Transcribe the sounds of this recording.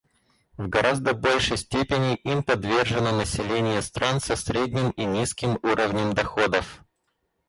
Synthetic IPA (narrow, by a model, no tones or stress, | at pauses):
vɡɐɾʔazd̪əbo̞lʲʂəjsʲtʲepʲɪnʲɪʔimpɐd̪vʲerʐɨnənəsʲɪlʲenʲɪjəst̪ɾansɐsɾʲedʲnʲɪminʲiskʲɪmuɾʔəvnʲəmd̪ɐxo̞d̪əf